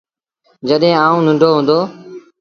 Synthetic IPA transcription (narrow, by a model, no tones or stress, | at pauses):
d͡ʒəɗɦẽːaːũːnʊ̃ɳɖʱoːɦũːnd̪oː